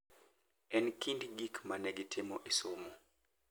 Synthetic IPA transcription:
ɛnkindɡikmanɛɡɪtʰɪmɔʔesomo

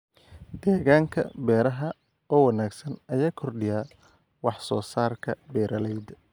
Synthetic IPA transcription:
d̪ɛːɣaːŋkʰɐ̰bɛːɾɐɦɐ | ɔːwɑnaːɡsɐnɐjaːkʰɔrɖɪjaː | wɑħsɔːsaːrkʰɐ̰bɛːɾʔɐlɛjd̪

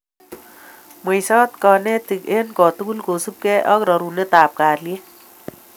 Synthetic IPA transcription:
mʌjsʌt̪kʌnet̪ikenkɔt̪uɡulɡosup̚keʔʌkɾʌɾunet̪aːp̚kaɾlie

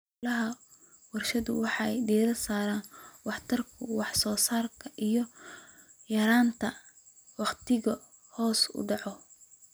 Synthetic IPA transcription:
lɐɦɐ | wɑrʃɐðʊwɑħɑɛjɖiːɾɐrsaːɾaːnwɑħt̪ʰɐrkʰʊwɑħsɔːsaːrkʰɐʔijɔ | jɐɾaːnt̪ʰɐ | wɑqt̪ʰɪɣɐ | hɔːsʊ̰ɖɑʕɔ

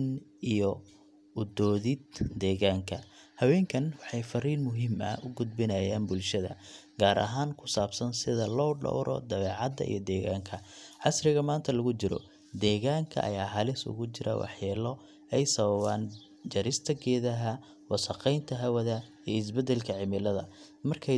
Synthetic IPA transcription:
nijɔ | ʊd̪ɔːðɪd̪d̪ɛːɣaːŋkʰɐhɐwɛːŋkʰɐnwɑħɑjfɐriːrmʊɦɪmɐ̰ʊɡʊd̪̚bɪnɐjaːnbʊlʃɐðɐ̰ | ɡ̥aːɾʔɐ̰ɦaːŋkʰʊsaːbsɐnsɪðɐlɔːɖɔ̰wɾʔɔ̰d̪ɐβɛːʕɑd̪ːɐ̰ʔḭjɞd̪ɛːɣaːŋkʰɐʕɑsɾɪɣɐmaːnt̪ʰɐlɐɣʊt͡ʃɪɾɔ̰ | d̪ɛːɣaːŋkʰɐ̰ʔɐ̰jaːɦɐlɪsʊ̰ɣʊt͡ʃɪɾʔɐ̰wɑ̰ħjɛːlɔ | ɛjsɐβɐβa̰ːn | d͡ʒɐɾɪst̪ʰɐɡɛːðɐɦɐ | wɑsɐqɛjnt̪ʰɐɦɐwɐðɐijɔɪsbɛd̪ɛlkʰɐʕɪmɪlɐðɐ | mɐrkʰɛ

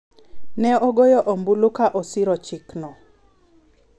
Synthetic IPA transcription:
nɛɔɡojɔʔɔmbulukaʔɔsiɾɔt͡ʃɪknɔ

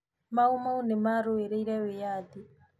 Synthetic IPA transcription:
maumaunɛmaɾoɛɾeiɾɛwɛjad̪i

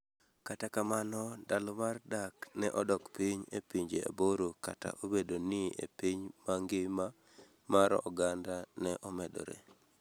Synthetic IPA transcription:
katakamanɔdalɔmardaknɛʔɔdɔkpiɲḛpiɲd͡ʒḛa̰boɾoka̰ta̰ʔobedonɪḛpiɲmaŋɡɪma | maɾɔɡandanɛʔɔmɛdɔ̰ɾḛ

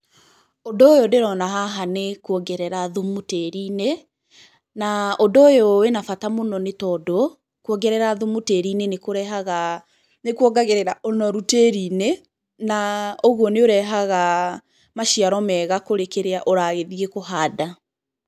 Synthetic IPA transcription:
odɔojodeɾɔnaɦaɦanekwɔɡɛɾɛɾaðomuteɾine | naodɔojowenafatamonɔnetɔdo | kwɔɡɛɾɛɾaðomuteɾinenekoɾɛɦaɣa | nekwɔɡaɣeɾɛɾaʔonɔɾuteɾine | naoɣwɔneoɾɛɦaɣa | maʃiaɾɔmɛɣakoɾekeɾeaʔoɾaɣeðiekoɦaːda

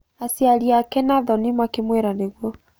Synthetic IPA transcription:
asjaɾiakɛnaðɔnimakemwɛɾaneɣwɔ

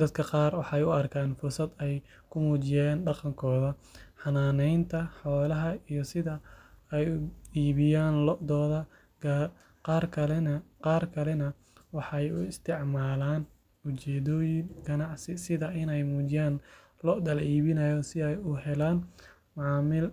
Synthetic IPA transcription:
d̪ɐd̪̚kʰɐqɑːrwɑħɑɛjʊɐrkʰaːnfʊrsɐd̪ɛj | kʰʊmuːt͡ʃɪjaːnɖɑqɑŋkʰɔːðɐħɑnaːnɛjnt̪ʰɐħɔːlɐɦɐijɔsɪðɐɛjiːβɪjaːnld̪ɔːðɐ | qɑːrkʰɐlɛnqɑːrkʰɐlɛnɐ | wɑħɑjʊ̰ɪst̪ʰɪʕmaːlaːn | ʊt͡ʃɛːðɔːjɪŋɡɐnɑʕsɪsɪðɐʔɪnɛjmuːt͡ʃɪjaːn | lɔd̪ɐlʕiːβɪnɐjɔsɪɛjʊɦɛlaːn | mʕɑːmɪl

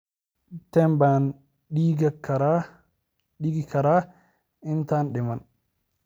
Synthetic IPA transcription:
tɛmban | ɗiɡakaɾa | ɗiɡikaɾa | ɛntanɗɛman

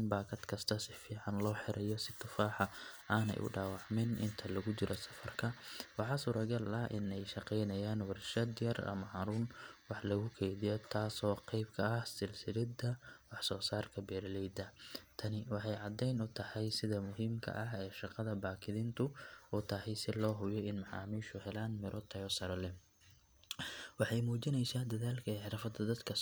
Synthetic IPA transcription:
nbaːkʰɐd̪kʰɐst̪ʰɐsɪfiːʕɑnlɔːħɪɾʔɐjɔsɪt̪ʰʊfaːħɑaːnɛ̰jʔʊ̰ɖaːwɑʕmɛnʔɪ̰nt̪ʰɐlɐɣʊt͡ʃɪɾɔsɐfɐrkʰɐwɑħɑːsuːɾɐɡɐlɐʔɪnɛjʃɑqɛjnɐjaːnwɐrʃɐd̪jɐrɐ̰mɐhɐɾuːnwɑħlɐɣʊkʰɛjðɪjɔt̪ʰaːsɔːqɛjbkʰɐːhsɪlsɪlɪd̪ɐwɑħsɔːsaːrkʰɐbɛːɾlɛjd̪ɐt̪ʰɐnɪwɑħɑjʕɑd̪ɛjnʊt̪ʰɐhɐjsɪðɐmʊɦiːmkʰɐ̰ʔɐɦɛːʃɑqɑðɐbaːkʰɪðint̪ʰʊʊt̪ʰɐhɛjsɪlɔːɦʊjɔɪnmɑʕɑ̰ːmiːʃʊhɛlaːnmɪɾʔɔt̪ʰɐjɔsɐɾɐlɛ | wɑħɑjmuːt͡ʃɪnɛjsaːd̪ɐðaːlkʰɐɛːħɪɾɐfɐd̪ɐd̪ɐd̪kʰɐ

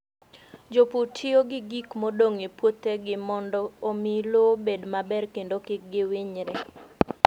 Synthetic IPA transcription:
d͡ʒoputʰɪoɡɪɡikmodoŋepwot̪eɡɪmɔndɔomilobedmabɛrkendokɪk̚ɡɪwɪɲɾɛ

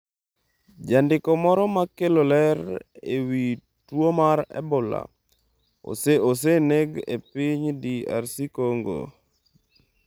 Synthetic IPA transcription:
d͡ʒandɪkɔmɔɾɔmakelolɛɾewi | twomaɾɛ̰bʊla̰ | o̰seos̬eneɡḛpiɲdia̰ɾsikoŋɡo̰

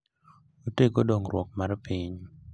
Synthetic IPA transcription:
otekodoŋrwɔk̚maɾpiɲ

